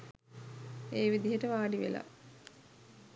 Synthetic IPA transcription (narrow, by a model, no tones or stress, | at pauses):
eːʋid̪iɦəʈəʋaːɖiʋela̰